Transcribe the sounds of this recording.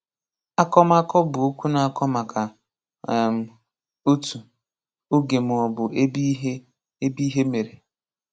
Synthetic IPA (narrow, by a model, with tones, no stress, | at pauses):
a˦kɔ˦m˦a˦kɔ˦bʊ˨o˦kʷu˦na˨a˦kɔ˦ma˨kʰa˨ | m̩˨ | o˦tu˨ | o˦ɡe˨m˨ɔ˨bʊ˨e˦bɦ | e˦bi˦ɦe˦me˨ɾe˨